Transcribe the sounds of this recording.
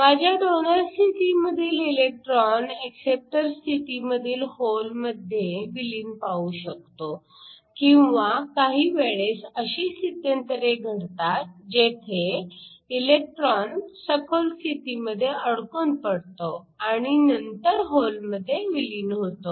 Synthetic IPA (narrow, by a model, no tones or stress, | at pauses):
mad͡ʑʱjaɖonəɾsiʈiməd̪ʱiːlilek̚ʈɾɔneksep̚ʈəɾsiʈiməd̪ʱiːlholməd̪ʱːjeʋiliːnpauɕək̚t̪o | kĩw̃ʋakaɦiːʋeɭesəɕiːsit̪ːent̪əɾeɡʱəɽt̪at̪̚d͡ʑet̪ʰeilek̚ʈɾɔnsəkʰolsiʈiməd̪ʱːjeəɽkonpəɽt̪o | aɽ̃inənt̪əɾɦolməd̪ʱːjeʋiliːnɦot̪o